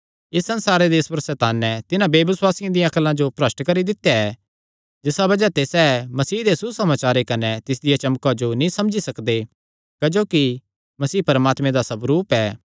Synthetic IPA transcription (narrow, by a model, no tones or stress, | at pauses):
ɪsːɐ̃nsaːɾed̪eːspəɾsɛːt̪aːnːɛ̃t̪ɪnãbeːʋɪswaːsɪãd̪ɪjãɐklãd͡ʒopɾɐsʈɳkɐɾid̪ɪt̪ːejaɛ | d͡ʒɪsabɐd͡ʒat̪esɛːmɐsiːd̪esusɐmaːt͡ʃaːɾekɐnɛt̪ɪs̬d̪ɪjat͡ʃɐmkad͡ʒonĩsɐmd͡ʒisɐkd̪e | kɐd͡ʒoːki | mɐsiːpɐɾmaːt̪mẽd̪asɐbɾuːpɛː